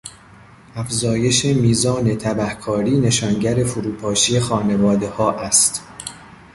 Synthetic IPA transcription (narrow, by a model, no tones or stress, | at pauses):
ʔæfzɒːje̞ʃemiːzɒːne̞t̪ʰæbæhkʰɒːɾiːne̞ʃɒːnɟæɾe̞fuɾuːpʰɒːʃije̞xɒːne̞vɒːd̪e̞hɒːʔæst̪